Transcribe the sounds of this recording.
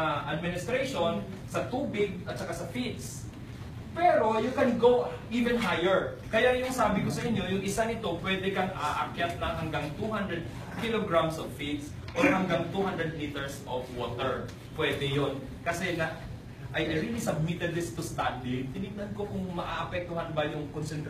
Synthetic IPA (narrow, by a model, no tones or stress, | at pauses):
ɐʔɐd̪̚mɪnɪst̪ɾejʃo̞n | sɐt̪uːbɪɡ̚ɐt̪̚t͡ʃɐkasɐfit̪̚s | pɛːɾo̞jʊkɛnɡowʔiːvɛnɦajɛɹ | kɐjajʊŋsaːbɪkosɐʔɪɲːo̞jʊŋʔɪsanɪt̪o̞pwɛːd̪ɛkɐŋʔaʔakjat̪̚nɐŋɦɐŋɡaŋt̪uhand̪ɹɛd̪̚ | kiloɡɹamsovfit̪s | ʔohɐŋɡaŋt̪uhand̪ɹɛd̪̚lit̪ɛɹsʔofwot̪ɛɹ | pwɛd̪ɛjon | kɐsɛnɐ | ʔɐjʔɐɾilisɐb̚mɪt̪ɛld̪ɪst̪ʊst̪and̪ɪŋt̪ɪnɪk̚nɐnko̞kʊŋmɐʔaʔɐpɛk̚t̪ʊɦanbɐjʊŋkonsɛnt̪ɾ